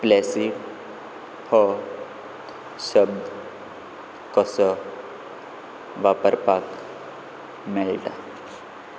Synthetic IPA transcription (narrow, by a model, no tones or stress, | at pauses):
plɛsik | hɔ | ɕəbd̪ | kɔsɔ | ʋapəɾpak | meɭʈa